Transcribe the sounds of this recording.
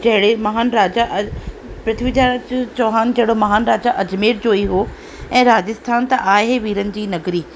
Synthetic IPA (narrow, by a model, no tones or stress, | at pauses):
d͡ʑɐɦɪɽemɐɦaːnɾaːd͡ʑaʔ | pɾɪt̪ʰʋid͡ʑad͡ʑt͡ɕoːɦaːnd͡ʑɐɦɪɽomɐɦaːnɾaːd͡ʑaʔɐd͡ʑmeːɾd͡ʑoːiɦoː | ɛ̃ːɾaːd͡ʑɪst̪ʰaːnt̪ɐʔaːɦeʋiːɾənɪ̆d͡ʑiːnɐɡɾiː